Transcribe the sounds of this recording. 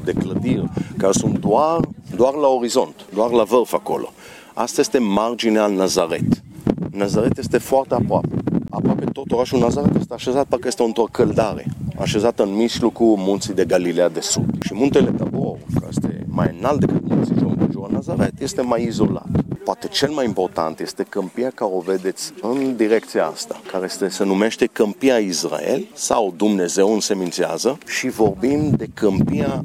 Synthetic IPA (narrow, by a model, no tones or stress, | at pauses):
d̪ekləd̪iʁkasunt̪d̪uaɾd̪uaɾlaoɾizont̪d̪uaɾlavəɾfako̰lʔo̰ | ast̪est̪emard͡ʒinealnazaɾɛt̪nazaʁɛt̪jest̪efwart̪eapɾapea̰pɾapet̪ot̪oʁaʃunazaɾɛt̪est̪eaʃezat̪̚pəɾkest̪eunt̪ɾokʰəld̪aɾḛa̰ʃezat̪ənmislukumunt̪sid̪eɡalilead̪esṵd̪ʃimult̪elet̪aboʁkəest̪ḛma̰jnald̪ekɨt̪munt̪siʒund̪eʒuɾnazaɾet̪je̞st̪e̞majizo̞la̰t̪poat̪e̞t͡ʃe̞lmajimpo̞rt̪a̰nt̪je̞st̪e̞kəmpiakaɾeo̞ve̞d̪e̞t̪sʲɨnd̪iɾekt̪siaa̰st̪ḁkaɾejest̪esenume̞ʃt̪e̞kəmpiaisra̰ḛlsa̰wd̪umne̞ze̞wɨnse̞mint̪sia̰zəʃivo̞rbind̪e̞kəmpia